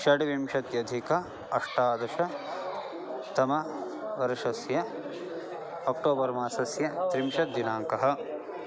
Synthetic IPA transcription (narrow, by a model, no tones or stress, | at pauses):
ʃɐɽiʋimʃɐt̪jɐd̪ʱikɐ | ɐʂʈaːd̪ɐʃɐ | t̪ɐmɐ | ʋɐɾʃɐsjɐ | ɐk̚ʈoːbɐɾmaːsɐsjɐt̪ɾimʃɐt̪d̪inaːŋkɐɦɐ̆